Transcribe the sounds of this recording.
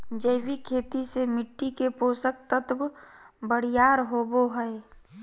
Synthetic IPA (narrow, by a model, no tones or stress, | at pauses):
d͡ʒəɪbikʰeːt̪isemɪʈːikepoːsək̚t̪ət̪bbəɽ̤ijaːɾɦoːboɦəe